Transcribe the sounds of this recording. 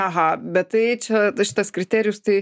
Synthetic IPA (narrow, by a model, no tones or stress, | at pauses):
ɐɦɐbʲɛt̪tɐɪt͡ʃʲɛʃʲɪ̥t̪ɐskɾʲɪt̪ʲæːɾʲɪjʊst̪ɐɪ